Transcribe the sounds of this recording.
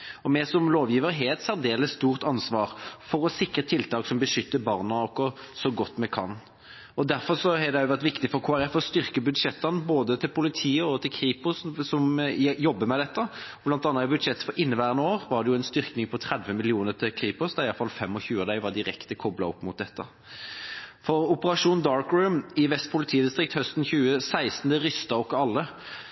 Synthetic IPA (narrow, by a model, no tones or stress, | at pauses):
ɔmɛsɔmloːʋjiːʋəɾɦeːt̪sæɾd̪eːləst̪uːʁt̪ɑnsʋɑːʁfɔɾɔsɪkɾət̪ʰɪlt̪ʰɑːksɔmbəʂʏt̪ːəbɑːʁnɑɔkːɔ | sɔɡɔt̪ːmɛkʰɑn | ɔd̪æɾfɔʁsɔhɑd̪ɛæjʊʋæɾt̪ʋɪkt̪ɪfɔɾkʰoːæɾɛfɔɔst̪ʏʁkəbʉd̪ʂɛt̪ːənəboːd̪ət̪ʰɪlpʰʊlɪt̪ʰiːəɔt̪ʰɪlkʰɾiːpʊssɔmjɔbːəmɛd̪ɛt̪ːə | blɑnt̪ɑnːɑɪbʉd̪ʂɛt̪ːfɔɾʔɪnːəʋæːɾənoːʁʋɑd̪ɛjʊɛnst̪ʏɾknɪŋpʰɔt̪ʰɾɛd̪ʋəmɪlɪuːnəɾt̪ʰɪlkʰʁiːpʊsd̪ɑɪjɑfɑlfɛmːɔçʉːd̪æɪʋɑd̪ɪɾɛkt̪əkʰɔblɑ̰ɔpːmʊt̪̚d̪ɛt̪ːə | fɔɾʊpəɾɑʂuːnd̪ɑːɹkɹʉːmɪʋɛst̪̚pʰʊlɪt̪ʰiːəd̪ɪst̪ʁɪk̚t̪hœst̪n̩çʉːəsæɪst̪n̩d̪ɛɾʏst̪ɑɔkːɔɑlːə